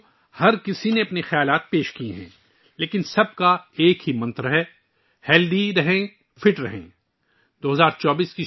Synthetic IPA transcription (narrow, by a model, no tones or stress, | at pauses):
hɐɾkɪsineɐpnixɐjaːlaːt̪̚peːʃkiḛ̃ɦɛ̃ː | leːkɪnsɐb̚kaeːkɦimɐ̃nt̪ɾɦɛː | hɛːld̪iɾɐɦẽ | fʰɪʈɾɐɦḛ̃ː | d̪oːɦɐzaːɾt͡ʃɔːbiːski